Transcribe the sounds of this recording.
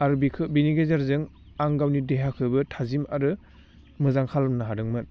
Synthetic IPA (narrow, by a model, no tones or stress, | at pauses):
aɾbikʰɯbiniɡezaɾzɯŋ | aŋɡawnideɦakʰɯbɯtʰazimaɾɯ | mɯzaŋkʰalmnaɦadɯŋmɯt̚